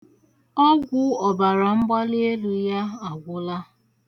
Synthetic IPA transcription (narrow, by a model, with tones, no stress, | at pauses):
ɔ˦ɡʷʊ˦ɔ˨ba˨ɾa˨ŋ͡m̩˦ɡ͡ba˦le˦e˦lu˨ja˦a˨ɡʷʊ˦la˦